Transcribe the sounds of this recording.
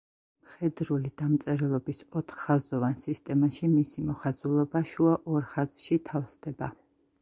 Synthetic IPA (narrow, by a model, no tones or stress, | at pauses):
mχɛd̪ɾulid̪amt̪sʼɛɾɛlˠɔbisɔt̪ʰχːazɔvansist̪ʼɛmaʃimisimɔχazulˠɔbaʃuaʔɔɾχazʃit̪ʰafsd̪ɛba